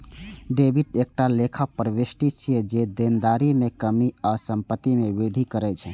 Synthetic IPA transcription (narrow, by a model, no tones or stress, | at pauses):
ɖebiʈek̚ʈalekʰapəɾəʋesʈisʰied͡ʒed̪end̪aɾimekəmiasəmpət̪ːimebid̪ʱikəɾɛt͡ʃʰɛ